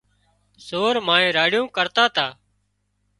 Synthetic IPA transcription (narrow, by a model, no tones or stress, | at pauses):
soːɾmãːẽːɾaːɽjõːkəɾt̪aːt̪ʰaː